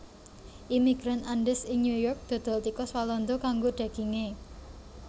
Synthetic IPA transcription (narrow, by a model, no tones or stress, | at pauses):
ʔimiɡ̥ɾananɖɪsɪŋɲujɔrk̚d̪̥ɔ̤d̪̥ɔ̤lt̪ikɔswalɔnd̪okaŋɡoɖ̥ä̤ɡ̥i̤ŋe